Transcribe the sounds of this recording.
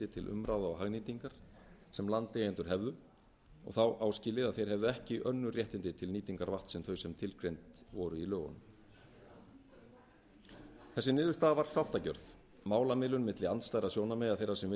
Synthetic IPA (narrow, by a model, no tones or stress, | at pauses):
t̪ɪt̪ʰɪlʔʏ̰mɾawðaɔɦaɣniːt̪iŋkaɾ̥ | sɛmlant̪ɪɛnt̪ʏɾ̥ɦɛvðʏ | ɔ̰ɣθawʔaːwscɪːlɪðaðθejɾ̥ɦɛvðʏɛhcɪʔœnːʏrjɛht̪ɪnt̪ɪt̪ʰɪlniːt̪iŋkaɾvaht̪sɛmθœɥsɛmt̪ʰɪlkɾejnt̪vɔɾʏilœːɣɔ̰n | θɛsːɪnɪːðʏ̥st̪aːðavaɾ̥sawht̪acœɾθ | maːwlamɪlʏnmɪt̪lɪant̪st̪ajɾasjownamɪɣaðθejɾːaɾsɛmvɪ